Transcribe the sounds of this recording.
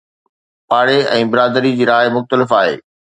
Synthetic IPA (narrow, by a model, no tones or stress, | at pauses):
paːɽeɛ̃ːbɪɾaːd̪əɾid͡ʑiːɾaːɪmʊxt̪əlɪfaːɦḛː